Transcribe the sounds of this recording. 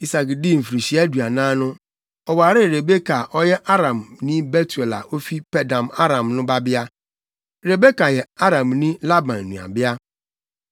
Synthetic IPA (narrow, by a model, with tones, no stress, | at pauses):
i˦sa˨kdi˦˨m̩˨fɾi˨si˦a˦du˨a˨nãː˦nʊ̃˦ | ɔ˨waː˨ɾɪ˦˨ɾe˨be˦kʰa˨ʔɔ˦jɛ˦ʔa˦ɾã˨mnĩ˦be˦tu˨e˨la̰˨ʔo˦fi˦pɛ˦dã˨ma˦ɾã˨mnʊ̃˦ba˦bɪ˦a˦ | ɾe˨be˦ka˨jɛ˨a˦ɾã˨mnĩ˦la˦bã˨nː˨ũ˨a̰˨bɪ˦a˦